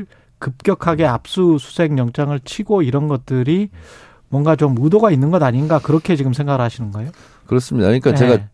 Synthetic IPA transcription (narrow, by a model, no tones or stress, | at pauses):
kɯp̚k͈jʌkʰaɡe̞ap̚s͈usʰu̥sʰe̞ŋɲʌŋt͡ɕ͈ʰaŋɯɭt͡ɕʰiɡoiɾʌnɡʌt̚t͈ɯɾi | mwʌŋɡat͡ɕomudoɡainːɯnɡʌdaɲinɡakɯɾʌkʰe̞t͡ɕiɡɯmsʰe̞ŋɡaɡɯɭhaɕʰinɯnɡʌejo | kɯɾʌs͈ɯmɲidaɲik͈at͡ɕe̞ɡa